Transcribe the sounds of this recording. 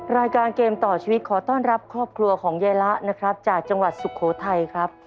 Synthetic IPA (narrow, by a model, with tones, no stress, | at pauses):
ɾaː˧jkaː˧nkeː˧mt̪ɔː˨˩t͡ɕʰiː˧wt̪̚kʰɔː˩˦t̪ɔː˥˩nɾa˦˥p̚kʰɾɔː˥˩p̚kʰɾu˧ɐkʰɔː˩˦ŋjaː˧jla˦˥ʔna˦˥kʰɾa˦˥p̚t͡ɕaː˨˩k̚t͡ɕa˧ŋwa˨˩t̪̚su˨kʰːoː˩˦t̪ʰa˧jkʰɾa˦˥p̚